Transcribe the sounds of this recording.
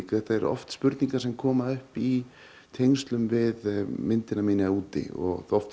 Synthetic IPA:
kɛht̪aɛɾɔ̰ft̪spʏɾt̪niŋkaɾsɛmkʰɔːmaðʏhpi | t̪ʰejŋst̪lʏmvɪðmɪnt̪ɪnamɪːnɪauːt̪ɪ̰ɔ̰ɣɔft̪

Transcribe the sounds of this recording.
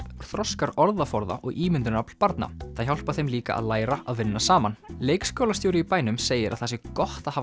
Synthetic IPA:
θɾɔskaɾɔɾðafɔɾða̰ʔɔɣʔiːmɪnt̪ʏɾnapl̥paɾt̪na̰θaðçawl̥paθejmliːka̰ʔa̰ðlaːjɾaaðvɪnːasaːmanleːjkskɔːwlast̪jowɾɪipaːjnʏmseːjɪɾa̰ðθasɪkɔht̪aha

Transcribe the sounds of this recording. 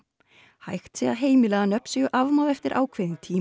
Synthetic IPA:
ha̰jxt̪sɛaðɦeːjmɪlɛɣðanœpn̥sɪɣʏʔavmaðɛft̪ɪɾʔa̰ːwkʰvejðɪnt̪ʰiː

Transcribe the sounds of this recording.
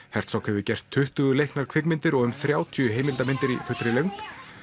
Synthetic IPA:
hɛr̥t̪sawkhɛvʏcɛr̥t̪ʰːʏht̪ʏɣʏlejhknaɾ̥kʰvɪknmɪnt̪ɪɾɔɣʏmθɾjaːwt̪ʰjʏɦeːjmɪlt̪amɪnt̪ɪɾifʏt̪ːɾɪleɥŋt̪

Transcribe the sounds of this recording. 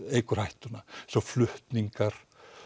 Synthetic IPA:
eikorɑiht̪unɑseoflyht̪niŋkɑr

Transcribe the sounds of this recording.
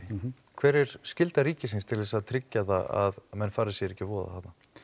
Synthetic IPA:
kʰvɛːɾɛɾ̥scɪlt̪aɾiːcɪs̬ɪnst̪ʰɪlɛs̬aðt̪ʰɾɪcːaðaa̰ðmɛnːfaːɾɪsjɛɾɛhcːɪvɔːða̰at̪a

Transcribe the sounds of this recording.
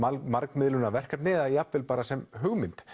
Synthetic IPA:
amaɾkmɪðlʏnavɛr̥kat̪nɪːðajapvɪlpaːɾasɛmɦʏɣmɪnt̪

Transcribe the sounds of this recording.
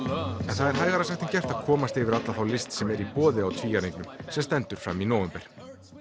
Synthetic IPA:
ɛnθaðɛɾ̥ɦaːjɣaɾasɛht̪ɪncɛr̥t̪aðkʰɔːmast̪ɪvɪɾat̪laθawlɪst̪sɛmɛɾipɔːðɪawt̪ʰviːjaneŋknʏmsɛmst̪ɛnt̪ʏɾ̥fɾa̰mːinɔːwɛmpɛɾ̥

